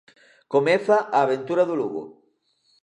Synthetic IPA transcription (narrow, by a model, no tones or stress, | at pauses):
komeθaʔaːβ̞ent̪uɾaðuluɣo̰